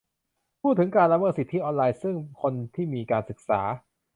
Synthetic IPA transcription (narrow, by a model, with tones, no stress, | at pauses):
pʰuː˥˩t̪ʰːɯ˩˦ŋkaː˧nla˧mɤː˥˩t̪̚si˨˩t̪ʰːi˦˥ʔɔː˧nlaː˧jsɯ˥˩ŋkʰo˧nt̪ʰiː˥˩miː˧kaː˧nsɯ˨˩k̚sa̰ː˩˦